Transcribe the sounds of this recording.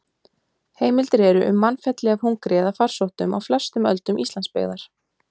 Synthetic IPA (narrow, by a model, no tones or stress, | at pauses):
heːjmɪlt̪ɾɛːɾʏʔʏmːanfɛt̪lɛɣahuŋkɾɛːðafar̥sowht̪ʏma̰wflɛ̥st̪ʏmœlt̪ʏmʔist̪lanspḛːɣðaɾ̥